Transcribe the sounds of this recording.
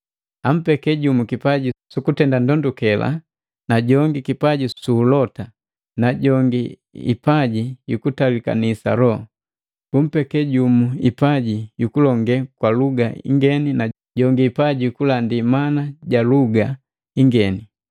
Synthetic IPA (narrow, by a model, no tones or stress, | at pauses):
am̩pɛkɛɟumukipaɟisukutɛndandɔndukɛla̰ | naɟɔŋɡikipaɟisuːlɔta | naɟɔŋɡi | ḭpaɟijukutalika̰nisa̰lɔ | b̥um̩pɛkɛɟumuḭpaɟijukulɔŋɡɛkwaluɡaḭŋɡɛnina | ɟɔŋɡiːpaɟiukulandimanaɟaluɡa | iŋɡɛni